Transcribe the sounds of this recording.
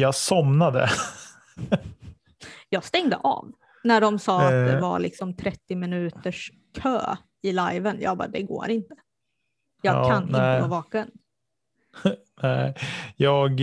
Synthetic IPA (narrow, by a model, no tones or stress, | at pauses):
jasɔmnad̪ə̰ | jɑːɡst̪ɛŋd̪ə̰ʔɑ̰ːv | næɖɔmsɑːat̪̚d̪ɛva̰ɭɪksɔmt̪ʰɾɛt̪ːɪmɪnʉ̟ːt̪əʂ | kʰø̰ː | ɪlajvənjɑ̰ːbɑ̰d̪ɛɡo̰ːɾɪnt̪ə̥ | jɑːɡkʰanɪəɡ̪oːvɑːkən | nɛɪjɑːɡ